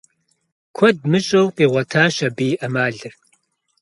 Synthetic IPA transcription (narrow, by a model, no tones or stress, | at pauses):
kʷʰɔd̚mɨɕʼɐwqeːʁʷɐtʰaːʃɐbiːʔɐmaːɮɨr